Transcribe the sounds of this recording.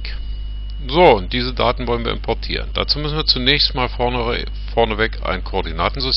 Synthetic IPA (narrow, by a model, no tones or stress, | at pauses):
zoːʊnt̚d̥iːzədaːtn̩vɔlənviːɐɪmpʰɔɐtʰḭːʁ̞ənd̥a̰ːt͡suːmʏsn̩viːɐt͡sunɛːçstmaːl | fɔɐnəvɛka̰ɪnkʰoːɐdinaːtn̩zʊs